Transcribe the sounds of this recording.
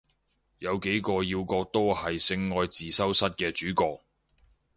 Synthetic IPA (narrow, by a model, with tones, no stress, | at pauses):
jɐ˨˧wke˨˥jkɔː˧jiː˧wkɔː˧k̚t̪o˥whɐ˨jsɪ˧ŋːɔː˧jt͡siː˨sɐ˥wsɐ˥t̚kɛː˧t͡ʃyː˨˥kɔː˧k̚